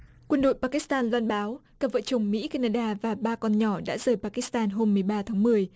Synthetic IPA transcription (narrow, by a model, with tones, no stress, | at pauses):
kwə˧nɗo̰˧˨jpa˧ki˧˦˥st̪aː˧nlwaː˧nɓaː˨˦wkaː˧˩və̰˧˨t͡ɕə˨˩wŋ͡mmḭ˧˥kaː˧naː˧ɗaː˧vaː˨˩ɓaː˧kɔ˧nɲɔ˧˩ɗa̰ː˧˥zəː˨˩jpaː˧ki˧˦˥st̪aː˧nɦo˧mːɨ˨˩əjɓaː˧t̪ʰaː˨˦ŋmɨ˨˩əj